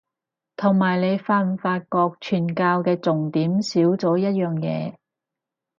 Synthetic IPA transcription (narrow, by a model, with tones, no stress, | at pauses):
t̪ʰʊ˨˩ŋmaː˨˩jle˨˧jfaː˧n˨˩faː˧t̚kɔː˧k̚t͡ʃʰyː˨˩nkaː˧wkɛː˧t͡sʊ˨˩ŋt̪iː˨˥msiː˨˥wt͡sɔː˨˥jɐ˥t̚jœː˨ŋjɛ̰ː˨˧